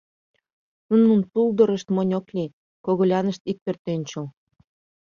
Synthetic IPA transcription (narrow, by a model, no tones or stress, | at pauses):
nununp̪uld̪ɤ̆ɾə̆ʃt̪monʲoklʲi | koɣolʲɑnə̆ʃt̪ik̚pørt̪ønʲt͡ɕə̆l